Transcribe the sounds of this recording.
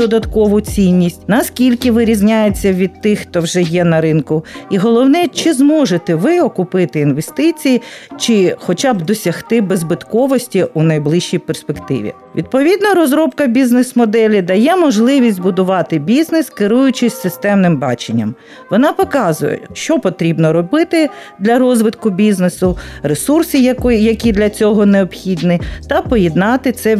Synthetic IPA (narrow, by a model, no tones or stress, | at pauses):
ɔd̪ɐt̪kɔʋʊt͡sʲinʲːisʲtʲnɐskʲilʲkɪʋɪɾʲizʲnʲajet͡sʲːɐʋʲid̪̚t̪ɪxːt̪ɔwʒɛjɛnɐɾɪnkʊiɦɔlˠɔwnɛt͡ʃɪzmɔʒet̪ɛʋɪɔkʊpɪt̪ɪinʋest̪ɪt͡sʲijit͡ʃɪxɔt͡ʃabd̪ɔsʲɐxt̪ɪbezbɪt̪kɔʋɔsʲtʲiunɐjblˠɪʃt͡ʃijperspekt̪ɪ̰ʋʲḭ | ʋʲid̪̚pɔʋʲid̪nɔɾɔzɾɔpkɐbʲiznɪsmɔd̪ɛlʲid̪ɐjɛmɔʒlˠɪʋʲisʲtʲbʊd̪ʊʋɑt̪ɪbʲiznɪskɪɾujʊt͡ʃɪsʲsɪst̪ɛmnɪmbɑ̰t͡ʃenʲːɐ̰m | ʋɔnɑpɔkɑzʊ̰jɛ̰ʃt͡ʃɔpɔt̪ɾʲibnɔɾɔbɪt̪ɪd̪lʲɐɾɔzʋɪt̪kʊbʲiznesʊɾesursɨjkjɐkʲid̪lʲɐt͡sʲɔɦɔneɔbxʲid̪nɪt̪ɐpɔjɛd̪nɑt̪ɪt̪sɛ